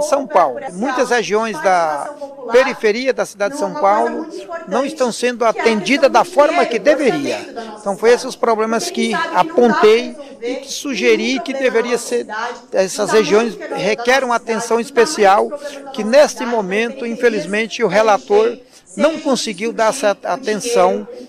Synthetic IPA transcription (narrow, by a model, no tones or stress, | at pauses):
sɐ̃w̃pawlʊmũj̃t̪ɐzheʒiõj̃zd̪ɐ | peɾifeɾiɐd̪ɐsid̪ad͡ʒɪd̪ɪsɐ̃w̃pawlʊnɐ̃w̃ɪst̪ɐ̃w̃sẽnd̪ʊat̪ẽnd͡ʒid̪ɐd̪ɐfɔɾmɐkɪd̪eveɾiɐẽt̪ɐ̃w̃fojesɪʊspɾoblẽmɐskɪapõnt̪ej | ɪkɪ̥suʒeɾikɪd̪eveɾiɐseɾ | ɛsɐsheʒiõj̃shekɛɾɐ̃w̃at̪ẽsɐ̃w̃ispesiawkɪnest̪ɪmõmẽnt̪ʊĩfelizmẽnt͡ʃɪʊɦelat̪oɾ | nɐ̃w̃kõsɪɡiwd̪aɾɛsɐat̪ẽsɐ̃w̃